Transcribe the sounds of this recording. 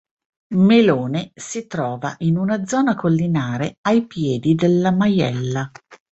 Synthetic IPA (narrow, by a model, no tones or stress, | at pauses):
meloːnesit̪ɾɔːva̰ʔinunad̪zɔːnakolːinaːɾeajpjɛːd̪id̪elːamajɛ̰lːa